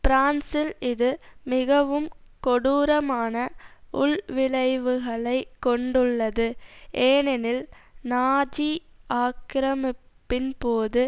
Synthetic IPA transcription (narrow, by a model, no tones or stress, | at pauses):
pɪɾaːnsɪlɪðɯmɪɣɐʋɯmkɔɽuːɾɐmaːnɐʊɭʋɪɭɐɪʋɯɣɐɭɐɪkːɔɳɖɯɭːɐðɯʔeːnɛnɪlnaːd͡ʒiʔaːkɾɐmɪpːɪnpoːðɯ